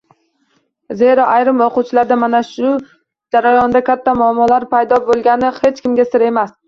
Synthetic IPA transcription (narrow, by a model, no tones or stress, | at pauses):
ze̞ɾɒʔajɾɪmoqʊwt͡ʃʰɪlaɾd̪amanaʃʊ | d͡ʒaɾajɒnd̪akʲʰat̪ʰːamʊamːɒlaɾpʰajd̪ɒbolˠɡʲanɪhe̞t͡ʃkʲɪmɡʲasɪɾe̞mas